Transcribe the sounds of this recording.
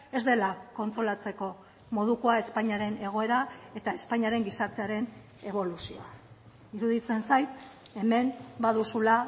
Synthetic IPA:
e̞zd̪e̞lako̞nt͡s̪ɾo̞lat͡se̞ko̞ | mo̞ðuko̞ae̞spaɲiaɾe̞ne̞ɣ̞o̞e̞ɾae̞t̪ae̞spaɲiaɾe̞ŋɡisaɾt̪e̞aɾe̞n | e̞βo̞lusio̞̰a | iɾuðit͡se̞nsajt̪ | e̞me̞mbaðusula

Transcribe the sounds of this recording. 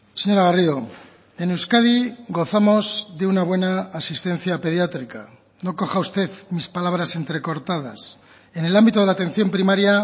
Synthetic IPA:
seɲo̞ɾaɣario | e̞newskaðiɡo̞θamo̞zðe̞unaβwe̞naːsist̪ẽ̞n̟θjape̞ð̞jat̪ɾika | no̞ko̞xaust̪e̞ðmispalaβ̞ɾase̞nt̪ɾe̞ko̞ɾt̪aða̰s | e̞ne̞lambit̪o̞ð̞elat̪ẽ̞n̟θjo̞mpɾimaɾja

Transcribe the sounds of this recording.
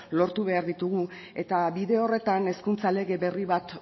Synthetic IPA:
lo̞ɾt̪uβe̞aɾðit̪uɣ̞u | e̞t̪aβiðe̞o̞re̞t̪ane̞skunt͡sale̞ɣe̞βe̞riβat̪

